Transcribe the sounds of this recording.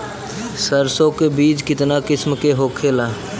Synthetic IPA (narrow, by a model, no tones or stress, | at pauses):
səɾsõkebiːt͡ʃkɪt̪nakɪsmkeɦoːkʰeːlaː